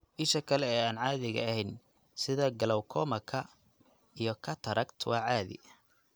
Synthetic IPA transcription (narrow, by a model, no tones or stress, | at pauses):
ʔɪʃɐkʰɐlɛɛːaːnʕɑːðɪɣɐ̰ɐhɛjn | sɪðɐɡɐlɔwkʰɔːmɐkʰɐ | ijɞkʰɐt̪ʰɐɾʔɐɡt̪ʰwɑːʕɑːðɪ̰